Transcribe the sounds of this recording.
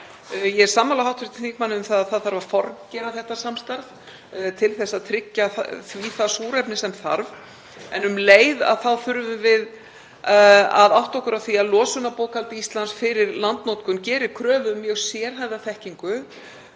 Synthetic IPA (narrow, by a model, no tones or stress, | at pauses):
jɛɛ̥saːmːalaɦawht̪fɾɪɾ̥t̪iŋk̚manːɪʏmθaðaðθaðθaɾvaɾ̥fɔɾcɛɾaθɛht̪ːḁsamst̪aɾð | t̪ʰɪlθɛsːaðt̪ʰɾɪcːaθviːθasuːɾɛpnɪsɛmθa̰ɾv | ɛnʏmleːjða̰ðθawθʏɾvʏvɪð | a̰ðawht̪ɔhkʏɾawθiaðlɔːsʏnapoːwkʰalt̪ɪist̪lansfɪɾɪɾlant̪nɔwt̪kʏncɛːɾɪ̥kʰɾœːðʏmːjœɣsjɛːɾ̥ɦajvðaθɛhciŋkʏ